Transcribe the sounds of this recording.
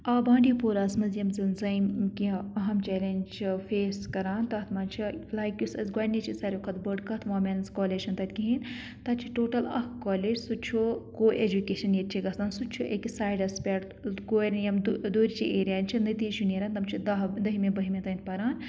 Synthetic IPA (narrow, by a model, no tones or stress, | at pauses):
aːbãːɳɖipoːɾaːsmɐzjɐmzɨnzɐjmkiɐɦɐmt͡ʃɛːlent͡ʃʰifeːskɐɾaːnt̪ɐt̪ʰmaːnt͡ʃʰilaːjkʲjusɐzɡɔːɾnit͡ʃʰisɐɾʲukʰɐt̪bəɖkɐt̪ʰmaːmʲenskoːleːd͡ʒʃʰɐnt̪ɐt̪ʲkiɦin | t̪ɐtt͡ʃʰiʈoːʈɐlɐ̰hkoːleːd͡ʒsut͡ʃʰokoːʔeːd͡ʒukeːʃɐnjɐt̪t͡ʃʰiɡɐsd̪aːnsut͡ʃʰuʔeksaːjɖɐspʲeʈ | ɡoːɾnjɐmd̪oːɾit͡ʃʰiʔeːɾijaːnt͡ʃʰinɐt̪iːʃuneːɾaːnt̪ɐmt͡ʃʰid̪ɐd̪ɐɦimebɐɦimẽt̪ɐint̪̚pɐɾaːn